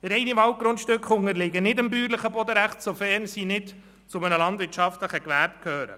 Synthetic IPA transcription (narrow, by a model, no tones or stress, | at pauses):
ɾɛjniʋɑwt̚ɡɾʊnt̪ʃtʏkχʊŋəɾlɪɡənɪdəmbyːɾləχəbɔd̪əɾæχtsofɛːɾnsinɪt | t͡sʊmənəlɑndʋɪt͡ʃɑft̪ləχəɡʋæɾt̚kʰøːɾə̰